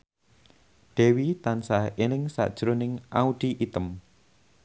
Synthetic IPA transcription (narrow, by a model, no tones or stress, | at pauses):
d̪̥ɛ̤wit̪ansaenɪŋsa̰ʔd̥ʒ̥ɾonɪŋʔaud̪̥iʔit̪əm